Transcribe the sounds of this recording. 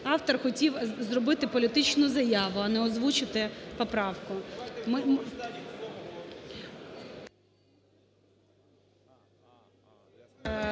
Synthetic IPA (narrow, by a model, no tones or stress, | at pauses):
ɑwt̪ɔrxɔtʲiwzrɔbɪt̪ɪpɔlʲit̪ɪt͡ʃnʊzɐjɑʋʊɐnɛɔzʋut͡ʃɪt̪ɪpɔpɾɑwkʊm